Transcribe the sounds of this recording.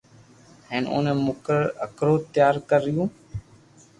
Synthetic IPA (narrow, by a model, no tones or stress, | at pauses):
hɛ̃ːnʔʊ̰nəmʊkɾəəkɾoːt̪ɪjaːɾkəɾɪjũː